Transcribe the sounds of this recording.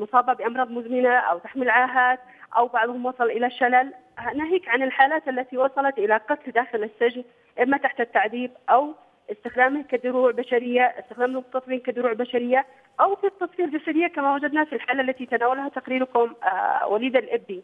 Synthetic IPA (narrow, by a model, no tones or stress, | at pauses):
mʊsˤɑːbɪʕbɪʔɑmɾˤɑːðˤmʊzmɪnaʔa̰wt̪aħmilʕaːɦaːt̪ | ʔawbɑʕðˤhʊmwɑsˤɑlʔɪlaʃːalal | hanaɦiːkʕanɪlħaːlaːt̪alːat̪iwɑsˤɑlɑt̪ʔɪlaqɑt̪ld̪aːxɪlɪsːɪd͡ʒn | ʔɪmːat̪aħt̪at̪ːaʕd̪iːbʔaw | ʔɪst̪ɪxd̪aːmɪhkad̪ʊɾuːʕbaʃaɾɪjːaʔɪst̪ɪxd̪aːmɪlmʊt̪ːɑt̪ˤbiːnkad̪ʊɾuːʕbaʃaɾɪjːa | ʔawfit̪ːɑsˤfiːɾd͡ʒasaɾɪjːakamawad͡ʒad̪nafilħaːlalːat̪it̪anaːwalɦat̪aqɾiːɾkʊm̰wʔaliːd̪alʔɪbːi